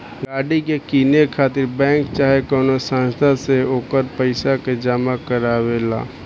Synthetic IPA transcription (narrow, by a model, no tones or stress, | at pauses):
ɡaːɽikekiːnekʰaːt̪ɪɾbɛ̃ːŋkt͡ʃaːɦekɔːnosãːnst̪ʰaseoːkəɾpəɪsaked͡ʒaːmakəɾaːwela̰ː